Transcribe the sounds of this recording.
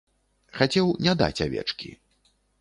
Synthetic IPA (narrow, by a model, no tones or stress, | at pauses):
xat͡sʲɛwnʲad̪a̰t͡sʲavʲɛ̰t͡ʂkʲḭ